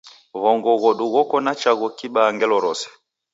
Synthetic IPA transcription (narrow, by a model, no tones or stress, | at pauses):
βɔŋɡɔɣɔɗuɣɔkɔnat͡ʃaɣɔkiɓaŋɡɛlɔɾɔsɛ̥